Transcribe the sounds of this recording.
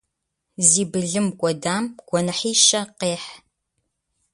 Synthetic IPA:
ziːbɨɮɨmkʷʼɔdaːmɡ̥ʷɔnɨħiːʃɐqeːħ

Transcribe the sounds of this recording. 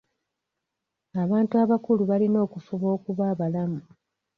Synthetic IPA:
aβaːntuaβakuluβalino̞ːkufuβo̞ːkuβaːβalamu

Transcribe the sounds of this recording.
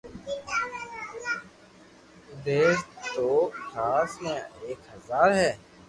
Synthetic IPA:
ʊd̪eːst̪oːkʰaːsmẽeːkɦəzaːɾɦɛː

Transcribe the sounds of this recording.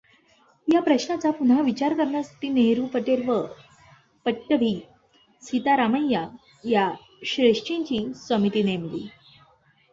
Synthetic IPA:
japɾəɕɳat͡sapunaʋit͡ɕaɾkəɾɳjasḁt̪iːneɾupəʈeɾʋə | pəʈːəbʱiː | sit̪aɾaməjːa | ja | ɕɾeʂt͡ɕiɲt͡ɕiːsəmit̪iːnemliː

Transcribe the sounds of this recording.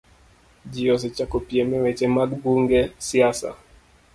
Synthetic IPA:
d͡ʒiɔs̬ɛt͡ʃakopiɛmɛwɛt͡ʃɛmaɡɡuŋɡɛsiasa̰

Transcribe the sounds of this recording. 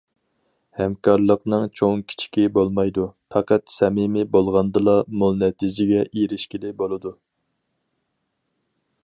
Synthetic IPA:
hɛmkʰɑɾlˠəqnɨŋt͡ʃʰoŋkʲʰi̥t͡ʃʰi̥kʲibolˠmɑjd̪upʰɑqɑt̪sɛmɪmɪbolˠʁɑnd̪ɨlˠɑmulˠnɛt̪ʰid͡ʒɪɡʲɛʔiɾɪʃkʲilɪbolˠɨd̪u

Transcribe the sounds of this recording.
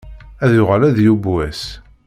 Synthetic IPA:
æðjʊʁəlæðjubwæs

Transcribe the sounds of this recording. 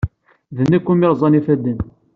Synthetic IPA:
ðənːækʷːumɪɾˤzˤɑnifæd̪ən

